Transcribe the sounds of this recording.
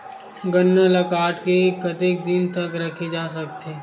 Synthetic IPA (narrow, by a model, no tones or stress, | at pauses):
ɡɐnːəlɐkaːʈkekʰɐt̪ek̚d̪ɪnt̪ɐkɾɐkʰed͡ʒaːsɐk̚t̪eː